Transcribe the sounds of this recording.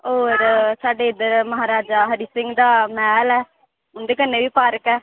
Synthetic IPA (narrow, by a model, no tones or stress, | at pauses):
oːɾsaːɖeːɪd̪əɾməɦaːɾaːd͡ʒaːɦəɾiːsɪ̃ŋɡd̪aːmɛːlɛː | ʊnd̪eːkənːeːʋiːpaːɾəkɛː